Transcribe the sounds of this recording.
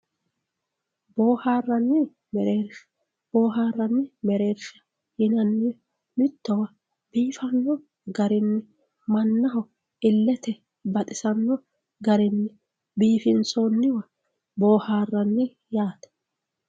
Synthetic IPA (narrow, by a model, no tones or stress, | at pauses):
boːhaːrːɐnːɪ | mɛɾeːɾʃ | b̥oːɦaːrːɐnːɪmɛɾeːɾʃɐ̥ | hɪnɐnːɪ | mɪt̪ːɔwɐ | b̥iːfɐnːɔ | ɡɐɾɪnːɪ | mɐnːɐɦɔ | ɪlːɛt̪ɛ | bɐt̪ʼɪsɐnːɔ | ɡɐɾɪnːɪ | biːfɪnt͡sɔnːɪwɐ | boːhaːrːɐnːɪ | jaːt̪ɛ̥